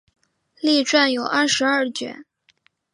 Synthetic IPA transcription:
li˥˧ʈ͡ʂwa˥˩njo˨˩ʊʔɐ˥˩ʂɻ̩˧˥ɐ˥˩t͡ɕɥɛ̰˧˥˦n

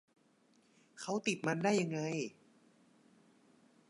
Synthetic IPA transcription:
kʰa˦˥wt̪i˨˩t̪̚ma˧ndaː˥˩jːa˧ŋːa˧j

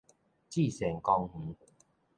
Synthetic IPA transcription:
t͡ɕi˥˨sɛ˨˩ŋkɔ˧ŋh̩˨˦

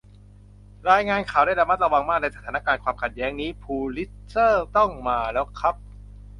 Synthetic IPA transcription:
ɾaː˧jŋaː˧nkʰaː˨˩wdaː˥˩jɾa˧ma˦˥t̪̚ɾa˧wa˧ŋmaː˥˩k̚na˧jsa˦t̪ʰaː˨˩˦na˦˥˧kaː˧nkʰwaː˧mkʰa˨˩t̪̚jɛː˦˥ŋniː˦˥pʰuː˧li˦˥t̪̚sɤː˥˩t̪ɔ˥˩ŋmaː˧lɛː˦˥wkʰɾa˦˥p̚

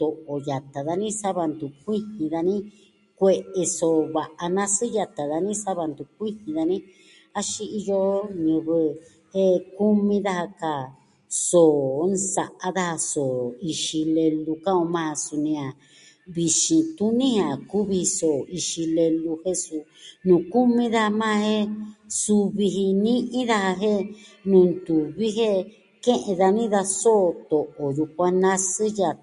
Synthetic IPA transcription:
t̪o˨ʔo˨ja˨t̪a˨ða˧nĩ˦sa˦βa˧nd̪u˨kʷi˦hĩ˧ða˧nĩ˦ | kʷe˧ʔe˧so˨βa˨ʔa˧nã˦sɨ˦ja˧t̪a˨ða˧nĩ˦sa˦βa˧nd̪u˨kʷi˦hĩ˧ða˧nĩ˦ | a˦ʃi˧i˧jo˧˦ɲũ˧βɨ˧ | e˦ku˦mĩ˧ða˦ha˧ka˧˨ | so˨˦nsa˨ʔa˦ða˦ha˧so˨i˧ʃi˧le˧lu˧ka˦õ˧mã˦˧a˧su˧nĩ˧a˨ | βi˧ʃĩ˧t̪u˦nĩ˦hã˨ku˦βi˧i˧so˨i˧ʃi˧le˧lu˧he˦su˧nũ˨ku˦mĩ˧˦ða˦ha˧mãː˦˧he˦su˧βi˧ɦi˧nĩ˦ʔĩ˦ða˦ha˧ɦe˦nũ˧˨nd̪u˨βi˦ɦe˦ | kẽ˦ʔẽ˧ða˧nĩ˦ða˧soː˦˧t̪o˨ʔo˨ðu˧kʷa˧nã˦˧sɨ˦ja˧˨

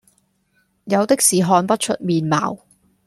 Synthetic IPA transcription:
jɐ˨˧wt̪ɪ˥k̚siː˨˩ɦɔː˨˧npɐ˥t̚t͡ʃʰɵ˥t̚miː˨˧nma̰ː˨w

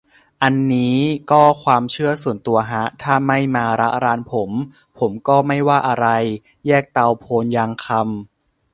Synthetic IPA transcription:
ʔa˧nːiː˦˥kɔː˥˩kʰwaː˧mt͡ɕʰɯ˥˩ɐsu˨˩ənt̪u˧ɐɦa˦˥t̪ʰaː˥˩ma˥˩jmaː˧ɾa˦˥ʔɾaː˧npʰo˩˦m | pʰo˩˦mkɔː˥˩ma˥˩jwaː˥˩ʔa˧ɾa˧j | jɛː˥˩k̚t̪a˧wpʰoː˧njaː˧ŋkʰa˧m

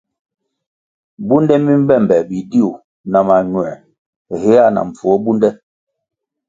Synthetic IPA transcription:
bu˦ndɛ˦mi˦m̩˦bɛ˦˨mbɛ˨bi˨di˦u˨ | na˨ma˨ɲwɛ˨ | he˦a˦˨na̰˨ɱ̩˨fu˨ɔ˦bu˦ndɛ˦

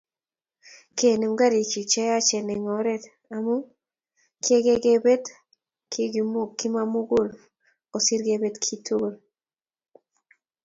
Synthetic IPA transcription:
ke˨ne˨mɡa˦ɾi˨t͡ʃi˨t͡ʃɛ˦ja˦t͡ʃɛ˨nɛ˨ŋɔ˨ɾɛ˦t | a˨mu˦ | ki˦e˦ɡe˦ɡe˦be˦t | kʰi˦ɡm˦ki˦ma˦mu˦ɡu˦˨l | o˨si˦ɾɡe˦be˦tkʰi˦tʰu˦ɡo˨l

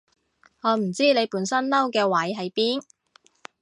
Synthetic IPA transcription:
ŋɔː˨˧m̩˨˩t͡siː˥ne˨˧jpuː˨˥nsɐ˥nlɐ˥wkɛː˧wɐ˨˥jɦɐ˨jpiː˥n

